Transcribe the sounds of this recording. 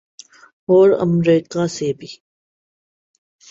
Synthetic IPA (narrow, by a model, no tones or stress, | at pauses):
ɔːɾə̰mɾiːkasebʱi